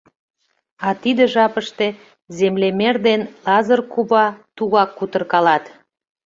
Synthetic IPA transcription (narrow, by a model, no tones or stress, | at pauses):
ɑt̪id̪eʒɑpəʃt̪e̽ | zemlemerd̪enlɑzərkuβɑt̪uɣɑkːut̪ərkɑlɑt̪